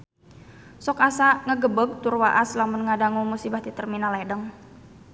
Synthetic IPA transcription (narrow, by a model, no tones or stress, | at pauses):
sɔkasaŋəɡəbək̚t̪urwaʔaslamunŋadaŋumusibaht̪it̪ərminalɛdəŋ